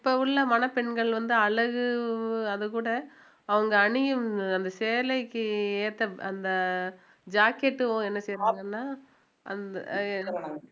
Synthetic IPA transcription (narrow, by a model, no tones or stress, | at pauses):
ɪpːɐːʋɯɭːɐmɐnɐpɛɳɡɐɭʋɐnd̪ɯɐlɐɣɯɐðɯkuːɽɐ | ɐʋɐŋɡɐːɳɪjɯmɐnd̪ɐseːlɐɪkːɯeːt̪ːɐɐnd̪ɐ | d͡ʒaːkeʈːɯõɛnːɐsɛjɾaːŋɡɐnːaː | ʔɐ̰nd̪ɐnːɐpɐɽaŋɐ